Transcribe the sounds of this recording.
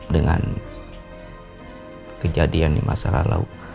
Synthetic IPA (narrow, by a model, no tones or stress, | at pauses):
dəŋan | kəd͡ʒadiandimʔasaɾalau